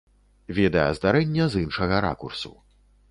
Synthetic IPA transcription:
vʲɛd̪ɐjɛzd̪aɾɛnʲːɐzinʂɐɣɐɾa̰kursṵ

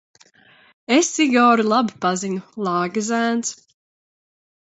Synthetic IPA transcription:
esiɡɔːɾilˠabipaziɲulˠaːɡazæːns

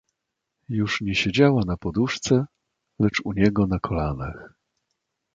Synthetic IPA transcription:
juʂɲɛɕed͡ʑawanapɔd̪uʂt̪sɛ | lɛt͡ʂuɲɛɡɔnakʰɔlanax

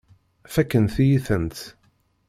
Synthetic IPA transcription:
fækːənθjiθənt̪

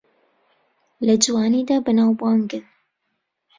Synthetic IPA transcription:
lɐd͡ʒwaːniːd̪aːbɐnaːwbuwaːŋɡɨn

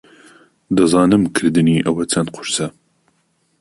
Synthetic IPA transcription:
d̪ɐzɑːnɨmkʰɨɾd̪ɨniʔɐwɐt͡sʰɐn̚qʰʊɾsɐ

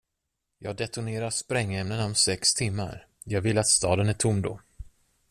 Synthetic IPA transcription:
jɑːɡɖɛt̪ʊneːɾaʂpɾɛŋːɛmnənɔmsɛkst̪ʰɪmːa̰ɾ | jɑːɡvɪlːat̪st̪ɑːd̪ənæʈʰʊmːd̪ɔ̰

